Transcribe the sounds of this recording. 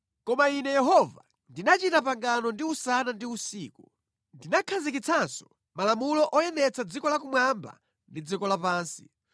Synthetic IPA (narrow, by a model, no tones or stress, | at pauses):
kɔmainɛjɛɦɔva | ndinat͡ʃitapaŋɡanɔndiusanandiusiːku | ndinakʰazikit͡sʰansɔ̥ | malamulɔʔɔjɛnɛt͡sʰad͡zikɔlak̬umwamba̰ | ndid͡zikɔlapaːnsi̥